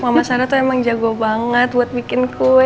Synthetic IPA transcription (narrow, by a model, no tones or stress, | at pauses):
mamasaɾat̪uemaŋd͡ʒaɡobaŋət̪̚buat̪̚bikɪnku